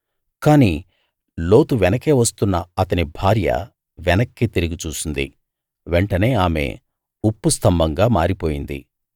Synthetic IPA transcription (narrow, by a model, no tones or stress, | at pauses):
kaːniː | lo̞ːt̪uʋɛnɐke̞ːʋɐst̪unːɐɐt̪ɐnibʱaːɾjɐ̰ | ʋɛnɐkːit̪iɾiɡit͡ʃuːsund̪ḭ | ʋeɳʈɐne̞ːaːmḛ | upːust̪ʰɐmbʱɐŋɡaːmaːɾipo̞ːjind̪ḭ